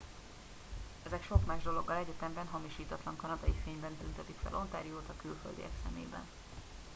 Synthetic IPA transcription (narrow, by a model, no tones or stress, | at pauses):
ɛzɛkʃo̞kmaːʒd̪o̞lo̞ɡːɒlɛɟɛt̪ɛmbɛnɦɒmiʃiːt̪ɒt̪lɒŋkɒnɒd̪ɒifeːɲbɛnt̪ynt̪ɛt̪ikfɛ̰lʔo̞nt̪aːɾijoːt̪ɒkylfø̰ld̪ḭɛ̰ksɛ̰mḛːbɛ̰n